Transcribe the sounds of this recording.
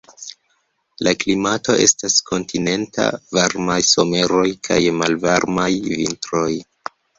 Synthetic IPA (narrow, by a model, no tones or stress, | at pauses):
laklimato̞ʔe̞̰stasko̞ntʰine̞ntʰa̰vaɾmajso̞me̞ɾo̞jkʰa̰jmalvaɾmajvintɾo̞j